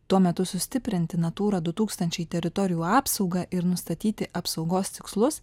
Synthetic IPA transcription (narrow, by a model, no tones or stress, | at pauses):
t̪uɔmʲɛt̪ʊsʊsʲt̪ʲɪpʲɾʲɪnʲt̪ʲɪnɐt̪uːɾɐd̪ʊt̪uːkst̪ɐnʲt͡ʃʲɛɪt̪ʲɛɾʲɪt̪ɔɾʲɪjuːɑːpsɐʊɡɐʔɪɾnʊst̪ɐt̪ʲiːt̪ʲɪʔɐpsɒʊɡoːst̪ʲɪkslˠʊs